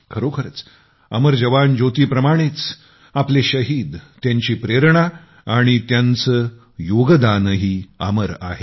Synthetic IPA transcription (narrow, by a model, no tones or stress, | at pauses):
kʰəɾokʰəɾət͡s | ə̰məɾd͡ʑəʋand͡ʑot̪iːpɾəmaɽ̃it͡s | apleɕəɦiːd̪t̪ːjaɲt͡ɕiːpɾeɾɳ̃a | aɽ̃it̪jant͡sə | joɡd̪anɦiːa̰məɾa̰ɦe